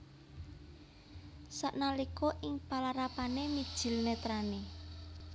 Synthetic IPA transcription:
saʔnalikɔʔɪŋpalaɾapanemid̥ʒ̥i̤lnet̪ɾane

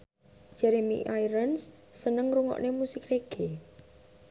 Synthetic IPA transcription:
d͡ʒ̥ɛɾemḭʔajɾəns | sənəŋɾuŋɔ̰ʔnemusɪkreɡ̥e

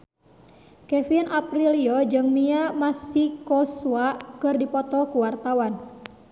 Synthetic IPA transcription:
kɛfinʔapɾiliɔd͡ʒɨŋmiamasikɔsuwakɨrdipɔt̪ɔkuwart̪awan

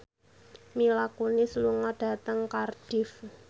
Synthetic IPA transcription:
milakunisluŋaɖ̥a̤t̪əŋkarɖ̥ɪf

